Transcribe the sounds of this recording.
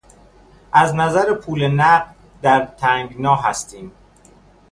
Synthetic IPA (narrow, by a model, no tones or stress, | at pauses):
ʔæznæzæɾepʰuːlenæɢ | d̪æɾt̪ʰæŋɡnɒːɦæst̪iːm